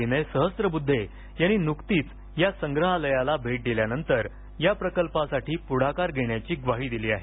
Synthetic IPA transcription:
inesəɦəst̪ɾəbud̪ʱːe | jañːiːnukt̪iːt͡s | jasəŋɡɾəɦaləjalabʱeʈ̚d̪iljanənt̪əɾ | japɾəkəlpasaʈʰiːpuɽ̤akaɾɡʱeɳjat͡ɕiːɡʋaɦiːd̪iliːaɦe

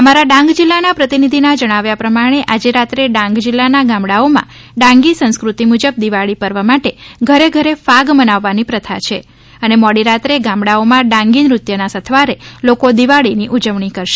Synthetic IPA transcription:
əmaɾaɖãŋɡd͡ʒilːanapɾət̪inid̪ʱinad͡ʒəɽ̃aʋjapɾəmaɽ̃eʔad͡ʒeɾat̪ɾeɖãŋɡd͡ʒilːanaɡãmɽaomã̰ɖãŋɡisə̃ñskɾut̪imud͡ʒəb̚d̪iʋaɭipəɾʋamaʈeɡʱəɾeɡʱəɾefaɡmənaʋːanipɾət̪ʰa̰t͡ʃʰe | ənemɔɽiɾat̪ɾeɡãmɽaomãɖãŋɡinɾut̪jənasət̪ʰʋaɾelokod̪iʋaɭiniʔud͡ʒəʋɳikəɾʃe

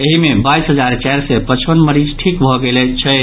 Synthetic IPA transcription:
eɦimebaisɦəd͡ʒaɾt͡ʃɛɾsepət͡ʃpənməɾid͡ʒʈʰikbʱɔɡelɛt͡ʃʰɛ

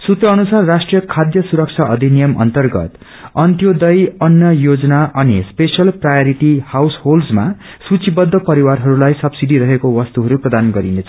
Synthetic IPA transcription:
sut̪rʌːnusarːasʈrijʌkʰad̪jʌsuɾʌk̚t͡sʰaʔʌd̪ʱinijʌmʌ̰nt̪ʌrɡʌ̰t̪ | ʌnt̪jod̪ʌjʌnjʌjod͡zʌnaʔʌnispesʌlprajoɾiʈihawsholsma̰ | sut͡sʰibʌd̪ʱːʌpʌɾiwarɦʌɾulajsʌbsiɖiɾʌɦekowʌst̪uɦʌɾuprʌd̪anɡʌɾinet͡sʰʌ̥

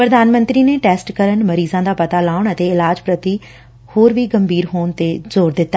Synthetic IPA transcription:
pɾəd̪aːnmə̃nt̪ɾiːneːʈɛːsʈkəɾənməɾiːzãːd̪aːpɐt̪aːlaːʊɳət̪eːɪlaːd͡ʒpɾət̪i | hoːɾʋiːɡəmbiːɾɦoːɳt̪eːzoːɾd̪ɪt̪ːaː

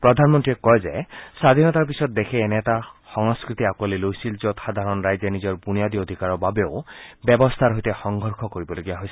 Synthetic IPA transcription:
pɹɔd̪ʱanmɔntɹiɛkɔjzesad̪ʱinɔt̪aɹpisɔt̪̚d̪ekʰɛːnɛtaxɔŋskɹit̪iakuɔlilojsilzɔt̪xad̪ʱaɹɔnɹajzenizɔɹbunijad̪iod̪ʱikaɹɔbabeoʊbjɛbɔst̪ʰaɾɦojt̪exɔŋɡʱɔɹkʰɔkoɹibɔloɡijaɦojsi

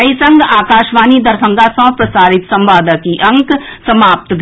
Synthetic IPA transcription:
ɐisɐ̃ŋɡaːkaːʃʋaːnid̪ɐɾsɐ̃ŋɡasɐ̃pɾɐsaːɾɪt̪sɐ̃mʋaːd̪əkiʔɐ̃ŋksɐmaːp̚t̪ɡ

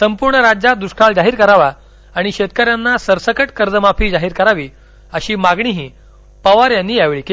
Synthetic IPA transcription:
səmpuɾɳəɾad͡ʑad̪uʂʈʰaɭd͡zaɦiːɾkəɾaʋa | aɽ̃iɕet̪̚kəɾjanːasəɾsəkəʈkəɾd͡zəmapiːd͡zaɦiːɾkəɾaʋiː | əɕiːmaɡɳiɦiː | pəʋaɾjanːiːjaʋɭiːke

